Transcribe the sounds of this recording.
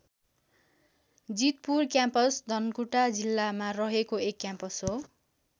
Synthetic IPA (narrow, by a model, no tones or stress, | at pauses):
d͡zit̪̚purkjampʌsd̪ʱʌnkuʈad͡zilːamarʌɦekoekːjãmpʌsɦo